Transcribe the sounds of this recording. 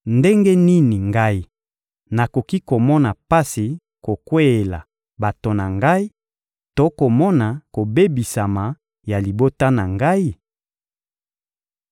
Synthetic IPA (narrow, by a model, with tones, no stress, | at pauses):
nde˦ŋɡe˦ni˦ni˨ŋɡa˦i˦ | na˨ko˨ki˦ko˨mɔ˦na˨pa˦si˨ | ko˨kwe˦e˨la̰˨ | ba˨to˨na˨ŋɡa˦i˦ | to˦ko˨mɔ˦na˨ko˨be˦bi˨sa˨ma˨ | ja˨li˨bo˦ta˦na˨ŋɡa˦i˦